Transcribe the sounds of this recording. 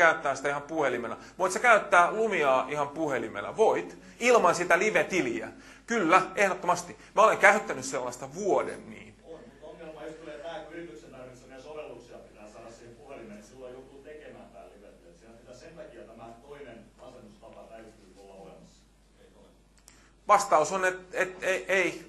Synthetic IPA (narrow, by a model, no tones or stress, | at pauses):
æyt̪ːæːsit̪æihɑmpuhelimelæ̰ | ʋoit̪sekæyt̪ːæːlumiɑːʔihɑmpuhelimḛlæ̰ʋoit̪ | ilmɑnsit̪æliʋet̪iliæ̰ | kylːæehɾot̪ːomɑst̪i | mæoleŋkæyt̪ːænysselːɑst̪ɑʋuodḛnːḭːnonmuoŋːelmɑjost̪uleːp̪æːkyrit̪yksenænisɑniɑsoʋelːuksiɑpit̪æːsɑːdɑssiːhempuhelimesilːojjut̪ːut̪ekemæ̰ːmt̪æ̰ːlliʋet̪ːˑøːt̪sinæsit̪æsent̪ɑkiɑt̪æmæt̪oinenɑsenːust̪ɑpɑt̪æyt̪ːˑyːt̪olːɑolemɑsːɑ̥ | ʋɑst̪ɑusonet̪et̪eʔei